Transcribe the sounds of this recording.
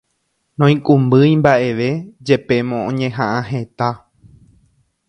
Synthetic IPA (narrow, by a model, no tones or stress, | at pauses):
nõĩkʼũmbɨjmbaʔe̞ʋe̞d͡ʒe̞pe̞mõõɲẽɦãʔãɦet̪a